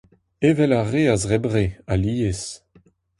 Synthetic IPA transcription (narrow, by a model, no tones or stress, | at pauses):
evɛlaʁeazʁɛbʁealiːes